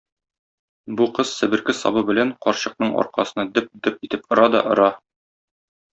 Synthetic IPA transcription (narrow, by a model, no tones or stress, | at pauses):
buqɤz̥sɘ̆bɘ̆ɾkɘsɒ̰bɤbɘ̆læɴqɒɾɕɤ̆q̚nɤɴɒ̰ɾqɑsɤ̆nɑd̪ɘp̚d̪ɘp̚it̪ɘpŏɾɑd̪ɒ̰ʔŏɾɑ